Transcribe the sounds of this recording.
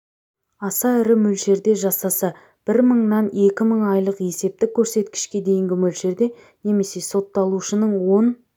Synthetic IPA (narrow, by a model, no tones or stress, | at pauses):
ɑsɑɪɾɪmɵlʃe̞ɾd̪e̞ʒɑsɑsɑ | b̥ɪɾməɴnɑne̞kʲɪməɴɑjlˠəqje̞se̞p̚t̪ɪkʲʰːɵɾse̞t̪kʲɪ̥ʃkʲe̞d̪e̞jɪŋɡʲɪmɵlʃe̞ɾd̪e̞ | ne̞me̞se̞so̞t̪ːɑlˠuʃənəɴwo̞n